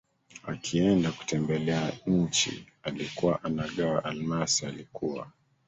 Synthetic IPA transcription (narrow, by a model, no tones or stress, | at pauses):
a̰kʰiɛndaku̥tɛmbɛlɛaɲɲ̩t͡ʃḭ | alikuwaʔanaɠawaʔalmasialikuwa̰